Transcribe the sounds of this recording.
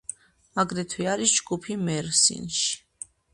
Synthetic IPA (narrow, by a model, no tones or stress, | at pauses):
aɡɾɛt̪ʰwiaɾisd͡ʒɡupʰimɛɾsḭnʃ